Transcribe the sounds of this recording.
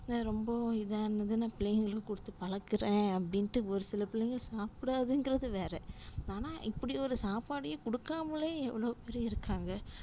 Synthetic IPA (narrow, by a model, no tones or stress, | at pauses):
naːɾɔmbɐɪðaːnɐðɯnaːpɪlɐjɪŋɡɐɭɯkːɯkɔɽɯt̪ːɯpɐɭɐkːɯɾẽːɐpːɐɽɪnʈːɯɔɾɯsɪlɐpɪlɐjŋɡɐsaːpɪɽaːðɯnɡɪɾɐðɯʋeːɾɛaːnaːʔɪpːɐɽɪɔɾɯsaːpaːɽɪjɐkɔɽɯkːaːmɐleːɛʋːɐɭɐʋpeɾɐɪɾɯkːaːŋɡɐ